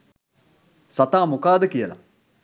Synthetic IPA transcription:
sɐt̪aːmukaːd̪əkijɐla̰

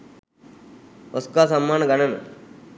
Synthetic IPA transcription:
oskaːsɐmːaːnɡɐnən

